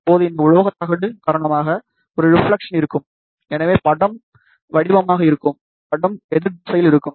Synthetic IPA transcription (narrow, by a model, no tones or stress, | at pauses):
ɐpːoːðɯɪnd̪ɐʊɻɐʋɐɣɐt̪ːɐɣɐɽɯkaːɾɐɳɐmaːɣɐ | ɔɾɯɾɪfɭɐkʂɐnɪɾɯkːɯm | ɛnɐʋeːpɐɽɐm | ʋɐɽɪʋɐmaːɣɐɪɾɯkːɯm | pɐɽɐmɛðɯɾsɐjɪlɪɾɯkːɯm